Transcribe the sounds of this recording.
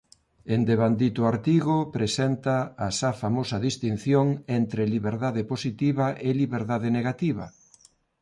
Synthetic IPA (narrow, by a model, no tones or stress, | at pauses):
end̪eβand̪it̪ʊaɾt̪iɣopɾesent̪aːsafamosɐðist̪in̟θjoŋent̪ɾeliβeɾðaðeposit̪iβɐʔeliβeɾðaðeneɣat̪iβɐ̰